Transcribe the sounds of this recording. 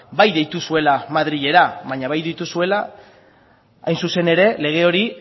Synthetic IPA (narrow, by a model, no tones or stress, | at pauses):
bajðe̞jt̪usue̞lamaðɾiʎe̞ɾaβaɲaβ̞ajðit̪usue̞la | a̰jnsuse̞ne̞ɾe̞le̞ɣ̞e̞o̞ɾi